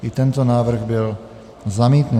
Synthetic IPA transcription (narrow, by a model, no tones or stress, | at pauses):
it̪ɛnt̪ɔnaːʋr̩ɣbil | zamɛːt̪nu